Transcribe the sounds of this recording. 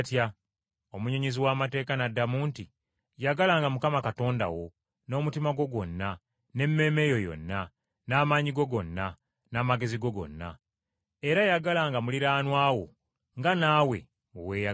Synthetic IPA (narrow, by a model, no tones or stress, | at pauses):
tja | o̞muɲeɲiziwaːmate̞ːkanadːamuːnti | jaɡalaŋɡamukamakato̞ːnda̰wo̞ | no̞ːmutimaɡo̞ɡo̞nːa | ne̞mːe̞ːme̞jo̞jo̞̰nːa | naːmaːɲiɡo̞ɡo̞nːa | naːmaɡe̞ziɡo̞ɡo̞̰nːa̰ | eɾajaɡalaŋɡamuliɾaːnwaːwo̞̰ | ŋɡanaːwe̞̰ | o̰weːja